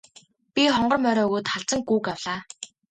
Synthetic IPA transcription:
pʲiχɔɴɢɞ̆rmœɾɔːɣuːt̪χaɮt͡sə̆ŋɡuːkawɮaː

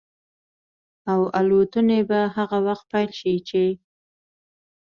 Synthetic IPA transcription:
awalot̪ənebaɦaɣawaxt̪̚pajlʃit͡ʃe

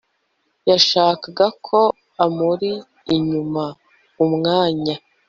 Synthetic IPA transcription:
jaʃaːkaɡakʰo̞ | amuɾiː | ɲuma | umŋaːɲa

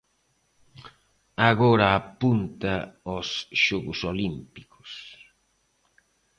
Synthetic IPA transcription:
aɣoɾɐːpunt̪ɐosʃɔɣʊsolimpikʊ̥s

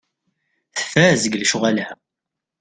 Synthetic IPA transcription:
θə̥fæzəɡlʃʊʁalhæ

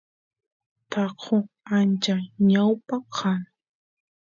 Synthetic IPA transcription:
t̪ɑqʰo | ant͡ʃaɲawpaqʰan

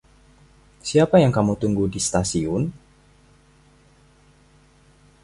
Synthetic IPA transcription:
siapajaŋkamut̪uŋɡuhdist̪asiʊn

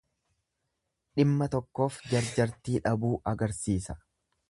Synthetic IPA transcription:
ᶑɪmːɐt̪ɔkːo̞ːfd͡ʒɐɾd͡ʒɐɾt̪iːᶑɐbuːʔɐɡɐɾsiːsɐ̥

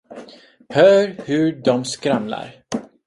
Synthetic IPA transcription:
hœːɾhɵɖɔmskɾamla̰ɾ

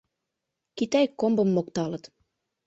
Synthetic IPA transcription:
kit̪æjkombə̆mːokt̪ɑlət̪

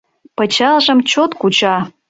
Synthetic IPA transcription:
pət͡ɕɑlʒə̆mt͡ɕot̪kut͡ɕɑ

